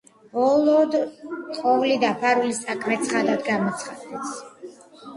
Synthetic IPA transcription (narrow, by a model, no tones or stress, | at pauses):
b̥ɔlˠɔd̪qʼɔvlid̪apʰaɾulist̪ʼakʰmɛt̪sʰχad̪ad̪ɡamɔt̪sʰχad̪ɛt̪sʰ